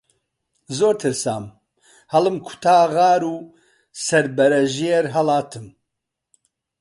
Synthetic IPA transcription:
zoːɾt̪ʰɨɾsa̰ːm | hɐlɨmkʰʊ̥t̪ʰaːɣaːɾuː | sɐɾbɐɾɐʒeɾɦɐlaːt̪ʰɨm

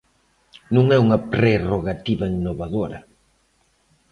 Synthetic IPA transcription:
nũŋɛuŋɐpɾeroɣat̪iβɐiŋnoβaðoɾɐ

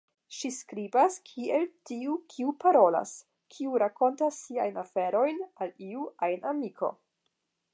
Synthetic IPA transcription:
ʃiskɾibaskʰieltiukʰiupaɾo̞la̰s | kʰiuɾako̞ntasːiajnafe̞ɾo̞jnaliuajnamikʰo̞̰

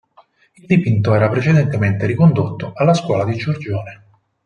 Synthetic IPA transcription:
ild̪ipint̪oɛːɾapɾet͡ʃed̪ent̪ement̪eɾikond̪ot̪ːoalːaskwɔːlad̪id͡ʒord͡ʒoːne

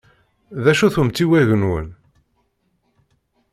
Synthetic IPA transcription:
ðæʃuθumt͡s̪ːiwæʝənwə̰n

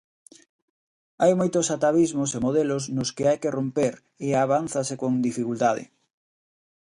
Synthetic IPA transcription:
ajmojt̪osat̪aβizmosemoðeloznʊskɪajkerompeɾ | eaβanθasekoŋd̪ifikult̪aðɪ̰

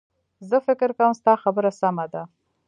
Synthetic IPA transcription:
zəfɪkɪɾkawəmst̪ɑxabəɾasamad̪a

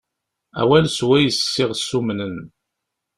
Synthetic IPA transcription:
æ̰wælswæjəssːɪʁsːumnən

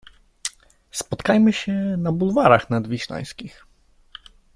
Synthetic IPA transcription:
spɔt̪kajmɘɕɛnabulvaɾaxnad̪vʲiʃla̰j̃skʲix

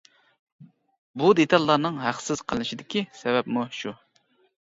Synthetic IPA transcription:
bud̪et̪ʰɑlˠːɑɾnɨŋɦæχsɪz̥qʰəlnɪʃid̪ɪkʲisɛbɛpmuʃu

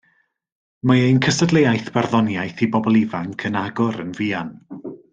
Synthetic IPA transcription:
maejnkʰəsədlˠejajθb̥arðɔnjajθibɔbɔlˠɪvaŋkʰənaɡʊɾə̰nviːan

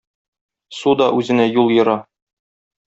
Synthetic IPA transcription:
sud̪ɒʔʉzɘ̆næjulˠjɤ̆ɾɑ

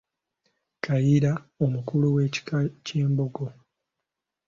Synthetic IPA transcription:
kajiɾaomukuluwe̞ːci̥ceːmboɡo̞

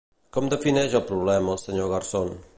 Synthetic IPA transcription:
kɔmd̪əfinɛʒəlˠpɾuβ̞lɛməːlˠsəɲoɣərson

